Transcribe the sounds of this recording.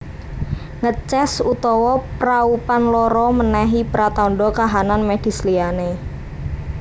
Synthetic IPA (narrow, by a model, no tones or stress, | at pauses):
ŋət͡ʃɛsut̪ɔwɔpɾaupanlɔɾɔmənɛɦipɾat̪aɳɖɔkaɦananmed̪̥i̤sliane